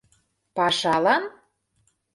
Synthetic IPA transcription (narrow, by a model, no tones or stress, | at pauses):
pɑʃɑlɑn